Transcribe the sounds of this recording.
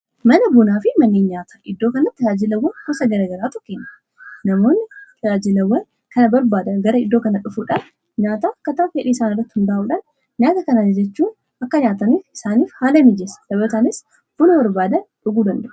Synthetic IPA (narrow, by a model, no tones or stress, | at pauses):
mɐnɐbʊnaːfɪmɐnːiːnɲaːt̪ḁʔɪd̪ːo̞ːkɐnɐt̪ːɐjaːd͡ʒɪlɐwːɐnhɔsɐɡɐɾɐːɡɐɾaːt̪ʊ̥kːenːɐ | nɐmoːnːɪt̪ɐaːd͡ʒɪlɐwːɐn | kɐnɐbɐɾbaːd̪ɐnɡɐɾɐɪd̪ːo̞ːkɐnɐᶑʊfuːᶑaːn | ɲaːt̪aːɐkːɐt̪aːfeːᶑiːɪsaːnɪrːɐt̪ːɪhɪnd̪ɐːʔuːᶑaːn | ɲaːt̪ɐkɐnanɪd͡ʒɛt͡ʃːuː | ɐkːɐɲaːt̪ɐnifɪsaːniːfhaːlɐmɪd͡ʒɛsɐ̥sɐbɐt̪aːnɪs | b̥ʊnɐbɐɾbaːd̪ɐnᶑʊɡuːd̪ɐnd̪ɐʔʊ